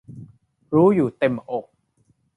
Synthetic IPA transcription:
ɾuː˦˥juː˨˩t̪e˧mʔo˨˩k̚

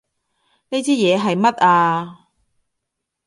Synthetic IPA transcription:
ne˥jt͡sʰiː˥jɛː˨˧ɦɐ˨jmɐ˥t̚aː˧

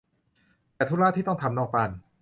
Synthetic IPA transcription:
t̪ɛː˨˧˩t̪ʰu˥˩laː˥˩t̪ʰiː˥˩ɔ˥˩ŋt̪ʰa˧mnɔː˥˩k̚pa˧n

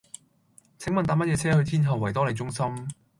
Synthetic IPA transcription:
t͡sʰɪ˨˥ŋmɐ˨nt̪aː˨˥mɐ˥ɛː˧t͡sʰɛː˥hɵ˧ɥt̪ʰiː˥nɦɐ˨wːɐ˨˩jt̪ɔː˥le˨˧jt͡sʊ˥ŋsɐ˥m

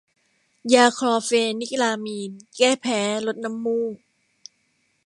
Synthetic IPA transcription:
jaː˧kʰɾɔː˧feː˧ni˦˥k̚laː˧miː˧nkɛː˥˩pʰɛː˩˦lo˦˥t̪̚na˧˦˥mːuː˥˩

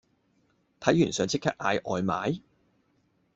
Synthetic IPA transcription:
t̪ʰɐ˨˥jyː˨˩nsœː˨˧ŋt͡sʰɪ˥kʰːɐ˥k̚ʔaː˧jʔɔː˨˧jma̰ː˨˥j

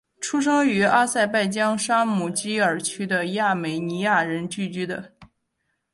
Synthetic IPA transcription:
ʈ͡ʂʰu˥ʂ̬ɑ˥ŋy˧˥a˥sa˥˧ɪpa˥˩ɪt͡ɕjɑ˥ŋʂa˥mu˨˩t͡ɕi˥ə˞˨˩t͡ɕʰy˥d̪ə˨ja˥˩me˨˩ɪni˧˥ja˥˩ɻə˧˥nt͡ɕy˥˩t͡ɕy˥d̪ə̰˧

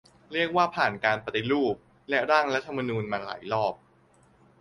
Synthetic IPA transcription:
ɾi˥˩ək̚waː˥˩pʰaː˨˩nkaː˧npa˧t̪i˧ɾuː˥˩p̚ | lɛ˦˥ɾaː˥˩ŋɾa˦˥t̪ʰa˧ma˧nuː˧nmaː˧la̰ː˩˦jlɔː˥˩p̚

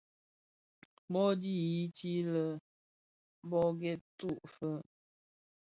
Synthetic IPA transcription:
bɔ˦di˦ji˦ti˦lə˨ | bɔ˦ɡe˦tu˦˨ʔfə˦

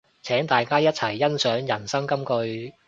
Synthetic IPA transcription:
t͡sʰɛː˨˥ŋt̪aː˨jkaː˥jɐ˥t̚t͡sʰɐ˨˩jːɐ˥nsœː˨˥ŋjɐ˨˩nsɐ˥ŋkɐ˥mkɵ˧ɥ

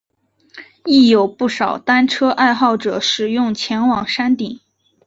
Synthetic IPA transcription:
i˥˩jo˨˩ʊpu˥˩ʂɑ˨˩ʊt̪a˥nʈ͡ʂʰɤ˥ʔa˥˧ɪxɑ˥˩ʊʈ͡ʂɤ˨˩ʂɻ̩˨˩jʊ˥˩ŋt͡ɕʰjɛ˧˥nwɑ˨˩ŋʂa˥nt̪i˨˩˦ŋ

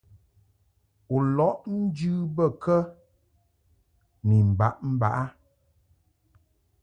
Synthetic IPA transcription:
u˨lɔ˨˦ʔn̩˦d͡ʒʉ˦bə˦˨kə˦ | ni˨m̩˨ba̰˦ʔm̩˦ba˨ʔa˦

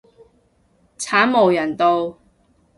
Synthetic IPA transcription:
t͡sʰaː˨˥nmo˨˩wjɐ˨˩nt̪o˧w

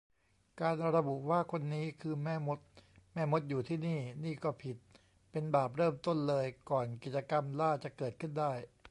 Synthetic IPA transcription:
kaː˧nɾa˧bu˨˩ʔwaː˥˩kʰo˧nːiː˦˥kʰɯː˧mɛː˥˩mo˦˥t̪̚mɛː˥˩mo˦˥t̪̚juː˨˩t̪ʰiː˥˩niː˥˩niː˥˩kɔː˥˩pʰi˨˩t̪̚ | pe˧nbaː˨˩p̚ɾɤː˥˩mt̪o˥˩nlɤː˧jkɔː˨˩nki˨˩t̪̚t͡ɕa˧ka˧mlaː˥˩t͡ɕa˨˩kɤː˨˩t̪̚kʰɯ˥˩ndaː˥˩j

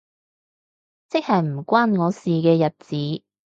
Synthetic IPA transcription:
t͡sɪ˥k̚hɐ˨˩jm̩˨˩kʷaː˥nŋɔː˨˧siː˨kɛː˧jɐ˨t̚t͡siː˨˥

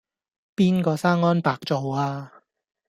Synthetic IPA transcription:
piː˥nkɔː˧saː˥ŋŋɔː˥npaː˨k̚t͡so˨waː˧

